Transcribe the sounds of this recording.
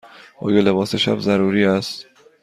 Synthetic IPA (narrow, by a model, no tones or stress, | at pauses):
ʔɒ̰ːjelebɒːseʃæ̰bzæɾuːɾiːæst̪